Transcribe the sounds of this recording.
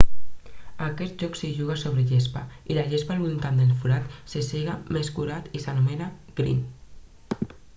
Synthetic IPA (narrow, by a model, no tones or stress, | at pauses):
akɛt̪ʒɔksiʒuɣ̞asoβɾeʎespailaʎespalβunt̪and̪elfuɾat̪seseɣameskuɾat̪isanumenaɡ̥ɾḭn